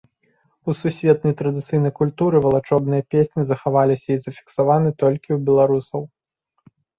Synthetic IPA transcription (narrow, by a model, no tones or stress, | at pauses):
ususʲvʲɛt̪nɐjt̪ɾɐd̪ɨt̪sɨjnɐjkulʲt̪uɾɨvɐlˠat͡ʂɔbnɨjɐpʲesʲnʲizɐxavalʲisʲɐizɐfʲi̥ksavanɨt̪ɔlʲkʲiwbʲɛlˠaɾusɐw